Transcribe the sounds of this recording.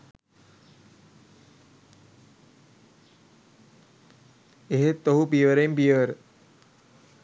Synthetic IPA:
eɦet̪ːoɦupiəʋəɾejmpiəʋəɾə

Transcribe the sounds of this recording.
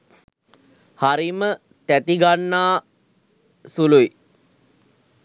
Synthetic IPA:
haɾimə | t̪æt̪iɡanːaː | sului

